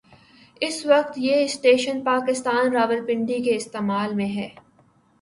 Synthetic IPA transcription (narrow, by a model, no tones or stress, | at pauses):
ɪsʋɐqt̪jeɪsʈeːʃənpaːkɪst̪aːnɾaːʋəlpɪ̃ɳɖikeɪst̪eːmaːlmẽɦɛː